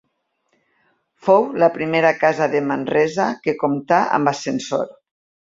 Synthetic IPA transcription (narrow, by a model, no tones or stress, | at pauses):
fowlapɾimeɾakazaðemanrɛzakekomt̪aa̰mbasenso̰ɾ